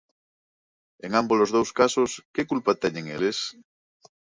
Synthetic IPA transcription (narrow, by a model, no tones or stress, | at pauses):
eŋãmbolozðowskasoskekulpat̪ɛɲeŋeles